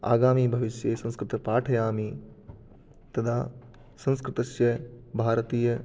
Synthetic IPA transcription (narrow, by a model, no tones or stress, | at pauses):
a̰ːɡaːmiːbʱɐʋɪʃjeːsɐ̃nskɾɪt̪ɐpaːʈʰɐjaːmiː | t̪ɐd̪ʰa | sɐ̃nskɾɪt̪ɐsjɐbʱaːɾət̪iːjɐ